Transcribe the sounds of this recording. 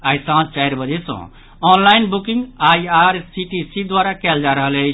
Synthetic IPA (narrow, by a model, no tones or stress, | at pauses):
ajsãst͡ʃaɪɾbəd͡ʒesɔ̰̃ | ɔnlainbukĩŋɡajaɾsiʈisid̪waɾakɛld͡ʒaɾəɦəlet͡ʃʰ